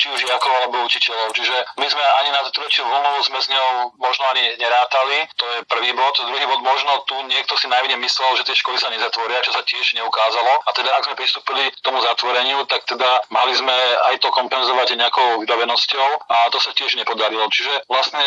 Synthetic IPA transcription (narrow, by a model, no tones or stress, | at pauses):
t͡ʃiuʒjakɔʊalɛbɔut͡ʃicɛʎɔʊt͡ʃiʒɛmizmɛaɲinat̪t̪ɾɛt͡ʃuɦuluzmɛzɲɔʊmɔʒnɔaɲiɲɛɾaːt̪alit̪ɔjɛpr̩ʋiːbɔt̪d̪ɾuɦiːbɔd̪mɔʒnɔt̪uɲɪɛk̚t̪ɔsinajmiɲɛmislɛlʒɛt̪ɪɛʃkɔlisaɲɛzat̪ʋɔɾɪat͡ʃɔsacɪɛʒɲɛukaːzalɔat̪ɛd̪aaɡzmɛpɾist̪uːpilikt̪ɔmuzat̪ʋɔɾɛɲɪut̪ak̚t̪ɛd̪ama̰lizmɛa̰jt̪ɔkɔmpɛnzɔʋaɟɲɛakɔʊʋibaʋɛnɔscɔʊat̪ɔsacɪɛʒɲɛpɔd̪aɾilɔt͡ʃiʒɛʋlasɲɛ